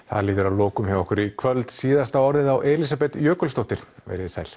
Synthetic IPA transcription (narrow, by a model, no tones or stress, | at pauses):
θa̰liːt̪ʏɾawloːkʏmhɛvaɔhkʏɾikʰvœlt̪siːðast̪aɔɾðɪðawʔɛlis̬apɛt̪jœːkʏlst̪owht̪ɪɾ̥vɛ̰jɾɪsa̰ːjl̥